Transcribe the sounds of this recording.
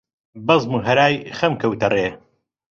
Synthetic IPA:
bɐzmuːɦɐɾaːjxɐmkɐwt̪ɐreː

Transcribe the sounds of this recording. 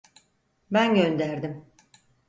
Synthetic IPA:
bænɟønd̪æɾd̪im

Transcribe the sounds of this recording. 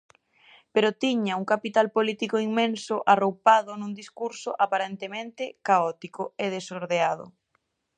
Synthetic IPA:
peɾʊt̪iɲauŋkapit̪alpolit̪ikoiŋmẽnsʊʔarowpaðʊnũnd̪iskuɾsʊʔapaɾent̪emẽnt̪ɪkaɔt̪ikʊeðesoɾðeað̞ʊ̰

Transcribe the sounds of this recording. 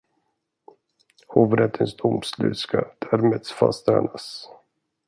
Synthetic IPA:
hoːvɾɛt̪ʰːɪŋsd̪ʊmslʉ̟ːskad̪̥æɾmeːd̪sfast̪æɳas

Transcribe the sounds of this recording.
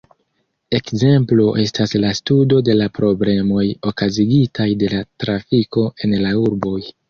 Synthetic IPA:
e̞kze̞mploʔe̞staslastudo̞de̞lapɾo̞ble̞mo̞jo̞kaziɡitʰajde̞latɾafiko̞ʔe̞nlauɾbo̞j

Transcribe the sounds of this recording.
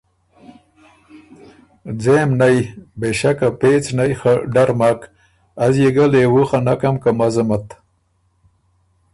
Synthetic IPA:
d͡zemnajbeʃakapet͡snajxaɖaɾmak | azjeɡəlewuxanakamkamazamat̪

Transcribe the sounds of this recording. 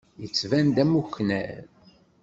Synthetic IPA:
jət͡sːvænd̪æmuçnæ̰n

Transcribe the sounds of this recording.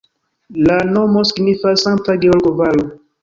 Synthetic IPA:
lanomosiɡnifasãŋtaɡioɾɡovalo

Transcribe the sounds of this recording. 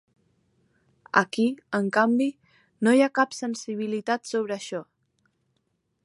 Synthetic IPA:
ə̰kiəŋkambi | nojakapsənsiβ̞ilit̪at̪soβ̞ɾəːʃɔ

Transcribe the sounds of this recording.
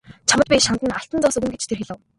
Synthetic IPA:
t͡ɕʰamə̆t̪pʲiːʃant̪ə̆naɬt̪ə̆nt͡sɔːsɵ̆ɣɘ̆nɡet͡ɕt̪ʰerxiɮɘ̆w

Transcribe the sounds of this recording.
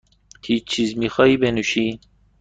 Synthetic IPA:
t̪ʰit͡ʃʰizmixɑibenuʃi

